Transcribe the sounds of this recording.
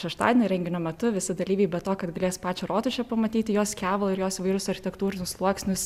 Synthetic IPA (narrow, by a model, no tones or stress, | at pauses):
ʃʲɛʃt̪ɑ̰ːd̪ʲenɐɪɾʲɛŋʲɡʲɪnʲoːmʲɛt̪ʊʋʲɪsʲɪd̪ɐlʲiːʋʲɛɪbʲɛt̪oːkɐt̪ɡɐlʲeːspɑːt͡ʃʲɛɾoːt̪ʊʃʲɛpɐmɐt̪ʲiːt̪ʲɪjoːskʲæːʋɐlˠɪɾjoːsiʋɐɪɾʲʊsɐɾʲxʲɪtʲɛkt̪uːɾʲɪnʲʊslˠuɔksʲnʲʊs